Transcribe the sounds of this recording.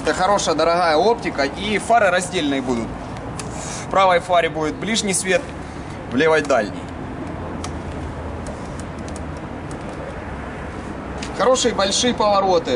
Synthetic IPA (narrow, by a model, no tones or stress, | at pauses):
ɛt̪əxɐɾo̞ʂəjəd̪ɐɾɐɣajəo̞ptʲɪkɐʔifaɾɨɾɐzʲdʲelʲnɨjbud̪ʊt̪̚ | pɾavəjfaɾʲɪbudʲɪt̪̚blʲiʐnʲijsvʲe̞t̪ | vlʲɪvat̚ʲd̪alʲnʲɪ̰j | xɐɾo̞ʂɨjəbɐlʲʂɨjəpɐvɐɾo̞t̪ɨ